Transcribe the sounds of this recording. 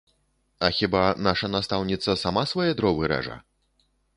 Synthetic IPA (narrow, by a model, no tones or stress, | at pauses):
ɐxʲibanaʂɐnast̪awnʲit̪sɐsamasvajɛd̪ɾɔvɨɾɛ̰ʐɐ̰